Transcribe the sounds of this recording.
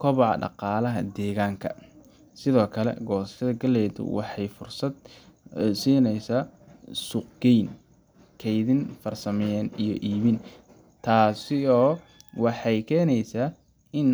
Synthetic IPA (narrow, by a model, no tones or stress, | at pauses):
kʰɔβʕɑ̰ɖɑ̰qɑːlɐɦɐ̰d̪ɛːɣaːŋkʰɐ̰ | sɪðɔːkʰɐlɛ̰ɡɔːsɐ̥ʃɐðɐɡɐlɛːðʊ̰wɑ̰ħɑjfʊrsɐd̪̚ | siːnɛjsaːsuːqɡɛjn | kʰɛjðinfɐrsɐmɛjɛːnijɔ̰ʔiːβɪn | t̪ʰaːsɪɔː | wɑħɑjkʰɛːnɛjsaː | ɪn